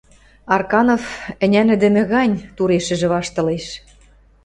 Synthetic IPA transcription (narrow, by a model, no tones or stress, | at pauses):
ɑrkɑnofɘ̆nʲænɘ̆d̪ɘ̆mɘ̆ɣɑnʲt̪uɾeʃɘ̆ʒɘ̆βɑʃt̪ɤ̆leʃ